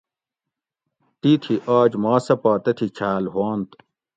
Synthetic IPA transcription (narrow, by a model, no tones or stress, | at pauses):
t̪it̪ʰiʔaːd͡ʑmaːsɐpaːt̪ɐt̪ʰit͡ɕʰaːlɦaːnt̪